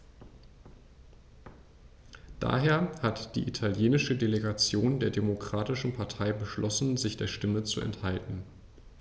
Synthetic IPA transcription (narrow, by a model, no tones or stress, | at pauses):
d̥a̰ːɦeːɐhatd̥ḭːʔitʰaljeːnɪʃədeleɡat͡sjoːndeːɐdemokʁ̥aːtɪʃn̩pʰaɐtʰaɪbəʃlɔsn̩zɪçd̥eːɐʃtɪmət͡suɛ̰nthaltn̩